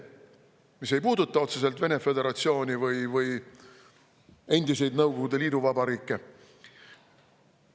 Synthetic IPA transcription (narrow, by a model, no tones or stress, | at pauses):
mise̞jpuːd̪ut̪ːˑɑo̞t̪se̞s̬e̞lt̪ve̞ne̞fe̞d̪e̞ɾɑt̪sio̞ːnʲivɯjvɯj | e̞nd̪ise̞jd̪nɤwɡo̞ɡud̪̥e̞liːd̪uvɑbɑɾiːkːˑe̞